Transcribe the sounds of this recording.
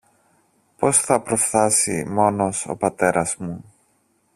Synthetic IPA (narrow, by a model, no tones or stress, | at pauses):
po̞sθɐpɾo̞fθɐsḭmo̞no̞so̞̰pɐt̪e̞ɾʔɐzmu